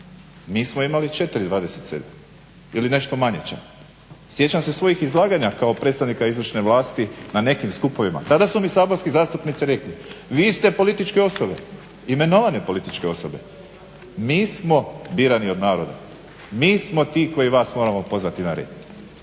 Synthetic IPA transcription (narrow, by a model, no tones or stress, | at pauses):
miːsmoimalit͡ʃe̞t̪ɾid̪ʋaːd̪ese̞t̪sed̪am | iline̞ʃt̪o̞maɲḛt͡ɕa̰ | sje̞t͡ɕamse̞sʋo̞jixizlˠaːɡaɲakaopɾet̪st̪aʋnikaizʋrʃneʋlaːst̪inane̞kimskupo̞ʋima̰t̪ad̪asumisaːbonskizaːst̪upnit̪siɾe̞kliʋist̪e̞po̞lit̪it͡ʃke̞o̞so̞be̞̰ | ime̞no̞ʋanepo̞lit̪it͡ʃke̞o̞sobe̞̰ | miːsmo̞biːɾanio̞d̪naːɾo̞d̪a̰ | miːsmo̞t̪iːko̞jiʋaːsmo̞ːɾamo̞po̞zʋat̪inaɾḛd̪